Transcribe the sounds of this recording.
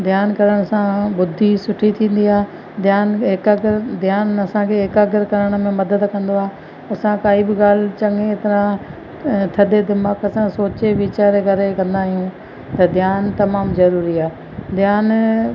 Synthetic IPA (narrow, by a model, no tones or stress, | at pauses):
d̪ʱjaːnkɐɾəɽ̃sãbʊd̪ʱːisʊʈʰit̪ʰĩːn̆d̪iaː | d̪ʱjaːnɦɪkaːɡɪɾd̪ʱjaːnɐsãkʰeɦɪkaːɡɪɾkɐɾəɽ̃ə̆mẽmɐd̪əd̪kɐ̃nd̪oaː | ɐsãkaːibɪɡaːl̤t͡ɕɐŋẽt̪ɪɾã | t̪ʰɐd̪ed̪ɪmaːkɐsãsoːt͡ɕeʋiːt͡ɕaːɾeɡʱɐɾekɐ̃nd̪aːɦijũ | t̪ɐd̪ʱjaːnt̪ɐmaːmzɐɾuːɾiaː | d̪ʱjaːn